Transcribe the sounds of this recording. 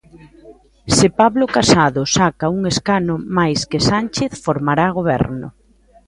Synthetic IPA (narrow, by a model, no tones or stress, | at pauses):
sɪpaβlokasaðʊsakauŋeskanʊmajskɪsanʲt͡ʃeθfoɾmaɾaɣ̞oβ̞ɛ̰ɾnʊ̰